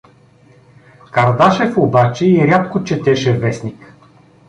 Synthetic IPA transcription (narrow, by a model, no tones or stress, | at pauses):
kɐɾd̪aʃɛfobat͡ʃɛiɾʲat̪kot͡ʃɛt̪ɛʃɛvɛsnik